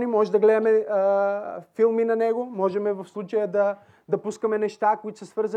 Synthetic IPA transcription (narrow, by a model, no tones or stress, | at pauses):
nimɔʒɛd̪ɐɡlɛd̪ɐmɛəfilˠminɐnɛɡomɔʒɛmɛvɐfslˠut͡ʃəjəd̪ɐ | d̪ɐpuskəmɛnɛʃt̪akʊit̪ʊ̥sɐsvɤɾz